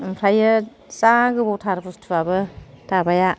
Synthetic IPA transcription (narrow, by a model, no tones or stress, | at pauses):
mpʰɾajɯ | saɡɯbɔwtʰaɾɯpʰustʰɯbabɯtabaja